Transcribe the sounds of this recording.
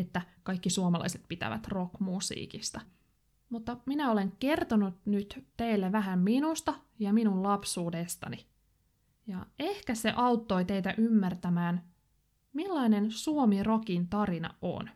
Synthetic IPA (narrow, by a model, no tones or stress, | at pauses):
et̪ːækɑjkːisuomɑlɑ̰jset̪̚pit̪æ̰ʋæ̰t̪ro̞kmusḭːkist̪ɑ | mut̪ːɑminæole̞ŋke̞rt̪onut̪nyt̪t̪eilːeʋæɦæmminust̪ɑjɑminullɑpsuːdest̪ɑ̰ni | jɑehkæse̞ʔɑwt̪ːo̞jt̪e̞jt̪æʔymːært̪æmæːn | milːɑinensuomiro̞kint̪ɑɾinɑ̰ʔo̰n